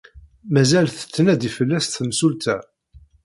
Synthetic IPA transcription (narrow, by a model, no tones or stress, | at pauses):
mæzælθə̥t͡sːənæd̪ifəlːæsθəmsult̪æ